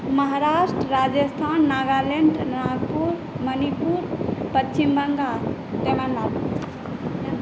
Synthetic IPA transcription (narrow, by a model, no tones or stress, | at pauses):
məɦaɾasʈɾəɾad͡ʒəst̪ʰanːaɡaleɳɖnaɡpuɾ | mənipuɾpət͡ʃːt͡ʃimbəŋɡa | t̪emanla